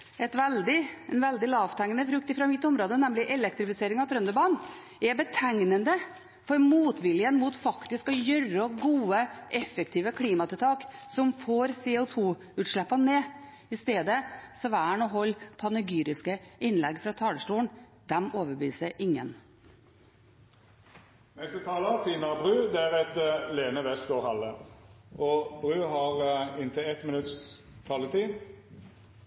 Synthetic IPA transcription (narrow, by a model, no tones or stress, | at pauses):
ɛt̪ʋɛld̪ɪɛnʋɛld̪ɪlɑːʋt̪ʰæŋːənəfɾʉk̚t̪ɪfɾɑmɪt̪ːʊmɾoːd̪ənɛmlɪʔɛlɛk̚t̪ɾɪfɪseːɾɪŋɑʋt̪ʰɾœnd̪əbɑːn | ɛbət̪ʰɛŋnənd̪ə | fɔɾmuːt̪ʋɪljənmuːt̪fɑkt̪ɪskɔjœɾəɔɡuːəʔɛfəkt̪ʰiːʋəkʰliːmɑt̪ʰɪlt̪ʰɑːksɔmfoːɾsɛʊt̪ʰuː | ʉːt̪ʂɭɛpːɑneː | ɪst̪eːd̪əsɔʋæːəɳɔːɦɔlːpʰɑnəɡyːɾɪskəɪnlɛɡfɾɑt̪ʰɑːləʂʈuːɳd̪̥ɛmoːʋəbyːsəʔɪŋːən | nɛst̪ət̪ʰɑːlət̪ʰiːmɑbʁʉːd̪ɛæʁɛt̪leːnəʋɛst̪ɡoːʁhɑləʔɔbʁʉːhɑʁɪnt̪ʰɪɛt̪mɪnʉt̪s | t̪ʰɑlət̪ʰiː